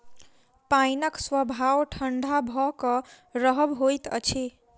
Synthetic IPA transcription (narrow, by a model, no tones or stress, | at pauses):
pajnəkswəbʱawʈʰəɳɖʱabʱɔkʌ | ɾəɦəbɦojt̪ə̰t͡ʃʰe